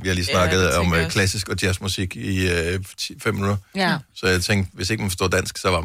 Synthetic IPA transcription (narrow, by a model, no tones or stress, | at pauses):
ʋihɑliːsnɑ̈ɡ̥ð̞̩ˠɒ̽mkʰlæsisɡ̥ɒ̽d̥jæsd̥musiɡ̥i | fem̰mnuðˠɐsɒ̽jat͡sʰeŋ̰ɡ̚d̥ʋe̝se̝ɡ̥mænfɒsto̝ɐ̰d̥æn̰sɡ̥sɒ̽ʋɑ̈